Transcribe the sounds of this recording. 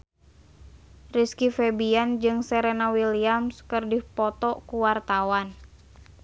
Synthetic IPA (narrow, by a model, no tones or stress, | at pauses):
riskifɛbiand͡ʒɨŋsɛɾɛnawiliamskərdihpɔt̪ɔkuwart̪awan